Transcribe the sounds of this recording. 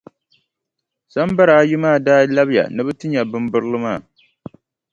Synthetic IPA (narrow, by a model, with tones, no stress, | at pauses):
sa˦mba˦ɾaː˨˦jʊ˦maː˦˨daː˦la˦bja̰˨nɨ˦bɨ˦tɨ˦ɲa˨bɨ˦mbɨ˦ɾɨ˦lɨ˦maː˦˨